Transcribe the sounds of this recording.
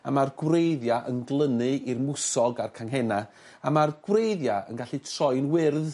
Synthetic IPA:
a̰marɡwrejðjaʔənɡlˠənɨirmʊsɔɡarkʰaŋɦɛna | amarɡ̥wrejðjaə̰nɡaɬitʰrɔɨnwɪrð

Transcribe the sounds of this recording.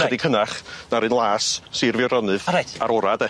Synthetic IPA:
ədikʰənaχnaɾɨnlˠaːssirvjɔɾɔnɨðɾaaɾɔɾadɛ

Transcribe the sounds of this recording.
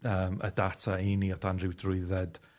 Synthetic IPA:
əːmə̰datʰainiɔdʰanrɪwdrʊɨðɛd̥

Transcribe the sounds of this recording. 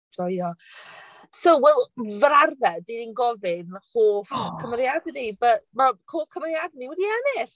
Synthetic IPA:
d̥ɔjɔ | sowwɛlˠvrarvɛdininɡɔvɪnhoːfkʰəməɾjadɛnibəmakʰoːfkʰəməɾjadniwɛdiɛnɪɬ

